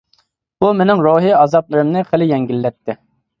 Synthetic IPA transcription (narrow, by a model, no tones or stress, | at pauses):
bumenɪŋɾoɦiɑzɑplˠɨɾɨmnɨχəlɪjɛŋɡʲilːɛt̪ʰːɪ